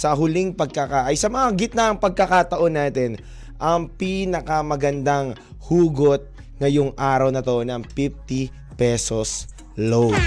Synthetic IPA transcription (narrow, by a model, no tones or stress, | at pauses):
sɐɦʊliŋpɐɡ̚kɐkaʔɐjsɐmɐŋaɡɪt̪̚naʔɐŋpɐɡ̚kɐkat̪ɐʔo̞nːaːt̪ɛn | ʔɐŋpiːnɐkɐmɐɡɐnd̪aŋ | huːɡot̪̚ | ŋɐjoŋʔaːɾɐwnɐt̪onɐŋpif̚t̪i | pɛsos | low